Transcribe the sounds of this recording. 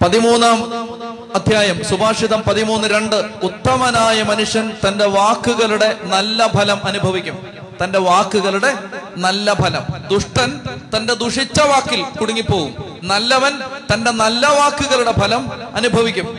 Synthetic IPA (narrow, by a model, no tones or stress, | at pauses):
pɐðimuːnːaːm | ɐd̪ʱjaːjɐmsubʱaːʂiðɐmpɐðimuːnːɨɾe̞ɳɖɨut̪ːɐmɐnaːjɐmɐnuʂjɐnt̪ɐnde̞ʋaːkːuɣɐɭuɽe̞nɐlːɐbʱɐlɐmɐnubʱɐʋikʲːum | t̪ɐnde̞ʋaːkːuɣɐɭluɽe̞nɐlːɐbʱɐlɐmd̪uʂʈɐnt̪ɐnde̞d̪uʂit͡ɕːɐʋaːkːilkuɽuŋːipːo̞ːɣum | nɐlːɐʋɐnt̪ɐnde̞nɐlːɐʋaːkːuɣɐɭuɽe̞bʱɐlɐmɐnubʱɐʋikʲːum